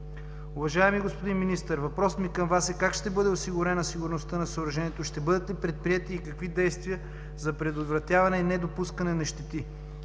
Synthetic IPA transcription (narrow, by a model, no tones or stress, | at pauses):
ʊvɐʒaɛmiɡospod̪inminist̪əɾvɐpɾɔsmikɐmvasɛkakʃt̪ɛbɤd̪ɛosiɡʊɾɛnɐsiɡʊɾnost̪ənɐsoːɾɐʒɛniɛt̪oʃt̪ɛbɤd̪ɐt̪ːɛpɾɛt̪̚pɾiɛt̪iːkɐkvid̪ɛjst̪vijə | zɐpɾɛd̪ot̪vɾɐt̪ʲjavɐnɛinɛd̪opuskɐnɛnɐʃt̪ɛt̪i